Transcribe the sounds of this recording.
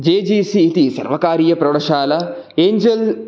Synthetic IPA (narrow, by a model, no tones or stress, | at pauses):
d͡ʒeːd͡ʒiːsiːt̪isɐ̰ɾʋɐkaːɾijɐpɾɐɽɐʃaːlɐ | eːɲd͡ʒel